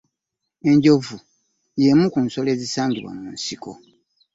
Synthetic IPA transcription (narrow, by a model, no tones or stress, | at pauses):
e̞ɲɟo̞vu | jemukunso̞leːzisaːɲɡiβwa̰muːnsiko̰